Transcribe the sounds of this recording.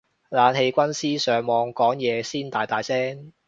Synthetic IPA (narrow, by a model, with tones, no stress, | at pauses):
laː˨˧nhe˧jkʷɐ˥nsiː˥sœː˨˩ŋmɔː˨˧ŋkɔː˨˥ŋjɛː˨˧siː˥nt̪aː˨jt̪aː˨jsɛː˥ŋ